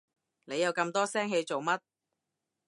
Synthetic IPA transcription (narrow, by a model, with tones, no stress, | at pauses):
ne˨˧jɐ˨˧wkɐ˧mt̪ɔː˥sɛː˥ŋɦe˨˧jt͡so˨˩wmɐ˥t̚